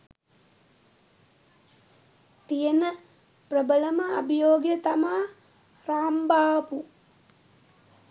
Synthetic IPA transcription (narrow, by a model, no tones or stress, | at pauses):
t̪ijənə | prəbələməabijoːɡjət̪amaː | raːmbaːpu